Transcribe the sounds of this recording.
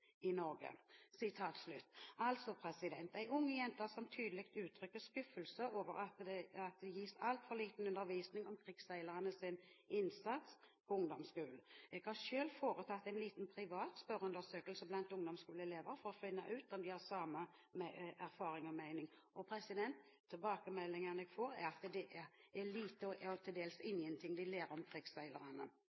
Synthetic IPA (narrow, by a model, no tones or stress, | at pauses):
ɪnɔɾɡə̰sɪt̪ʰɑːt̪slʉt̪ːɑlt̪sɔpʰɾɛsɪd̪ɛnt̪æɪʊŋːəjɛnt̪əɾsɔmt̪ʰyːd̪əlɪkt̪ʉːt̪ʰɾʏkːəskʉfəlsəʔoːʋə̰ɾɑt̪d̪ɛɑt̪̚d̪ɛjiːsɑlt̪fɔliːt̪n̩ʉnd̪əɾʋiːsnɪŋɔmkʰɾɪɡsæɪləʁənəsɪnɪnsɑt̪s | pʰɔʊŋd̪ɔmskʉːl̩ɛɡ̥hɑʁʂøːlfoːɾət̪ʰɑt̪ːæɪnliːt̪npʰɾɪʋɑːt̪spœɾʉnd̪əɾsøːkəlsəblɑnt̪ʊŋd̪ɔmskʉːləɛleːʋəɾfɔɾɔfɪnːəʔʉːt̪ɔmd̪ɪhɑɾsɑːmə | mɛʔæɾfɑːɾɪŋɔmæɪnɪŋ | ɔpʰɾɛsɪd̪ɛnt̪ʰːɪlbɑːkəmɛlːɪŋənɛɡ̥foːɾæ̰ɾɑt̪d̪ɛʔææliːt̪əɔɔt̪ʰɪld̪eːlsɪnjənt̪ʰɪŋd̪ɪleːɾɔmkʰɾɪɡsæɪləɾənə̰